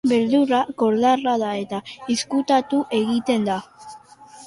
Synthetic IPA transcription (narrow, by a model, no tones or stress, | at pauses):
be̞ɾðuɾako̞ɾðaraðae̞t̪aiskut̪at̪uʔe̞ɣit̪e̞nd̪a